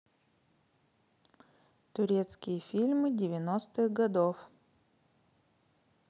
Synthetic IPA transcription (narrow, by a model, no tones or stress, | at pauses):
t̪ʊɾʲet̪skʲɪjəfʲilʲmɨdʲɪvʲɪnost̪ɨɣɡɐd̪of